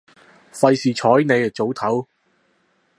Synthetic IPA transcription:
fɐ˧jsiː˨t͡ʃʰɔː˨˥jne˨˧jt͡so˨˥wt̪ʰɐ˨˥w

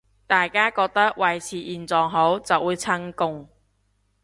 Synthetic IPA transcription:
t̪aː˨jkaː˥kɔː˧k̚t̪ɐ˥k̚wɐ˨jt͡sʰiː˨ʔiː˨˩nt͡sɔː˨ŋɦo˨˥wt͡sɐ˨wːuː˨˧jt͡sʰɐ˥ŋkʊ˥ŋ

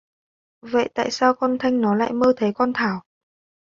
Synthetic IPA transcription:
və̰˧˨jt̪a̰ː˧˨jsaː˧wkɔ˧nt̪ʰa˧jŋ̟nɔ˨˦la̰ː˧˨jməː˧t̪ʰe˨˦kɔ˧nt̪ʰaː˧˩w

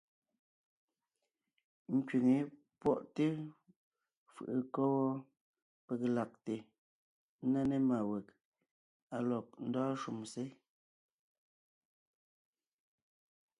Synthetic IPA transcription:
ŋ̩˦kɥi˨ŋe˨ | pwɔ˦ʔte˦ | fɯ̰˨ʔə˨kɔ˦wɔ˦ | pe˨kla˨k̚te˨˦ | na˦ne˦ma˨wɛ˨k̚ | a˨lɔ˨p̚n̩˦dɔː˦ʃu˨mse˦

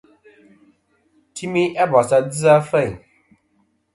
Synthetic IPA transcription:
tʰi˦mi˦ʔɛ˦bɔ˨sa˦d͡zi˦a˦fɛ˦˨j

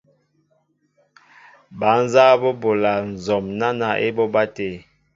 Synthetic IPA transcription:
ba˨˦n˦za˦bɔ˦bo˨la˨n̩˨zɔ˨mna˦na˨ʔe˦bɔ˦ba˦te˨

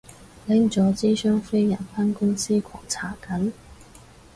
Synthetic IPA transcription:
lɪ˨˥ŋt͡sɔː˨˧˥t͡siː˥sœː˥ŋfe˥jjɐ˨˩nfaː˥nkʊ˥ŋsiː˥kʰɔ̰ː˨˩ŋt͡sʰaː˨˥˩kɐ˨˥n

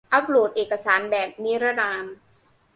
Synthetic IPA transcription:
ʔa˦˥p̚luː˨˩t̪̚ʔeː˨˩ka˧saː˩˦nbɛː˨˩p̚ni˦˥ɾa˦˥naː˧n

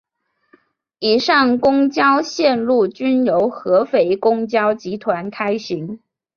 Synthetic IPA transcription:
i˨˩ʂɑ˥˩ŋkʊ˥ŋt͡ɕjɑ˥ʊɕjɛ˥˧nlu˥˩t͡ɕy˥njo˧˥ʊxɤ˧˥fe˧˥˩ɪkʊ˥ŋt͡ɕjɑ˥ʊt͡ɕi˧˥t̪ʰwa˧˥nkʰa˥ɪɕi˧˥ŋ

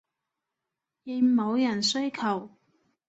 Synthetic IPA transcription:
jɪ˨˧mo˨˧wjɐ˨˩nsɵ˥ɥkʰɐ˨˩w

